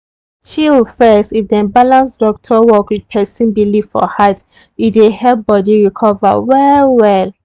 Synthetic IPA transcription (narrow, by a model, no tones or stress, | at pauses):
ʃiwufɛstifdɛ̃nbalãnsdɔk̚tʰɔwɔkwid̚pʰɛsĩnbilivfɔ̰hat | idehɛp̚bɔdiɹikʰɔva̰wɛwɛl